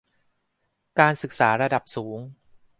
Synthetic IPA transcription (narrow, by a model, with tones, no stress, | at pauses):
kaː˧nsɯ˨˩k̚saː˩˦ɾa˧da˨˩p̚suː˩˦ŋ